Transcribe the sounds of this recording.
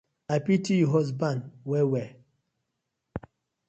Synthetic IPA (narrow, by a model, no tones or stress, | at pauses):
apitijuɦɔs̬bãnwɛwɛ